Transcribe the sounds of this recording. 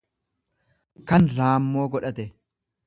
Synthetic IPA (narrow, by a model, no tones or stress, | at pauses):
kɐnɾaːmːo̞ːɡɔᶑɐt̪ɛ